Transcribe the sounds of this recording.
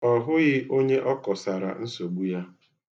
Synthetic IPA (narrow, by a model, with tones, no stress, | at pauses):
ɔ˨ɦʊ˦ɣɪ˦ʔo˦ɲe˦ʔɔ˦kɔ˨sa˨ɾa̰˨n̩˦so˨ɡ͡bu˦ja˦